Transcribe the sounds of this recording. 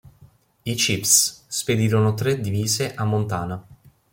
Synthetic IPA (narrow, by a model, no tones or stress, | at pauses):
it͡ʃipssped̪iːɾonot̪ɾed̪iviːzeʔamːont̪aːna